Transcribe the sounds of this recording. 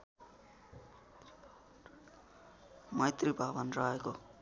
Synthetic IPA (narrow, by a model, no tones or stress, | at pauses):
mʌjt̪ribʱabʌnrʌɦeko